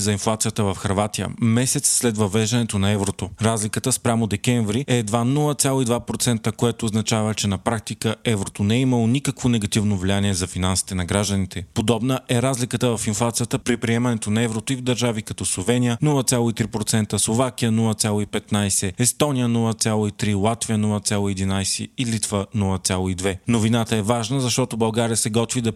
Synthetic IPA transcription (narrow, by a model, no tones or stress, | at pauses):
zɐinflˠat̪sijət̪əvɐfxɐɾvat̪ijə̰mɛsɛt̪sːlɛt̪vɐvɛʒd̪ɐnɛt̪onɐɛvɾot̪oɾazlʲikət̪əspɾʲamod̪ɛkɛɱvɾiɛd̪vanulˠət̪ʲalˠoid̪vapɾot̪sɛnt̪əkoɛt̪oːznɐt͡ʃavət͡ʃɛnɐpɾak̚t̪ikəʔɛvɾot̪onɛɛiməlˠonʲikəkvonɛɡɐt̪ivnovlʲianiɛzɐfinansi̥t̪ɛnɐɡɾaʒd̪ənit̪ʰɛpod̪ɔbnəʔɛɾazlʲikət̪əvɐfinflˠat̪sijət̪əpɾipɾiɛmɐnɛt̪onɐɛvɾot̪oivd̪ɐɾʒavikɐt̪ɔslˠovɛnʲijənɔlˠət̪sʲalˠoit̪ɾipɾot̪sɛnt̪əslˠovak̟ʲijənɔlˠət̪sʲjalˠoipɛt̪najsɛɛst̪ɔnijənɔlˠət̪sʲjalˠoit̪ɾilˠat̪vijənɔlˠɐt̪sʲalˠoiɛd̪inajsɛ̰ilit̪vənɔlˠɐt̪sʲjalˠoid̪vɛnovinat̪əɛvaʒnəzɐʃt̪ɔt̪obɐlˠɡaɾiəsɛɡɔt̪vid̪ɐ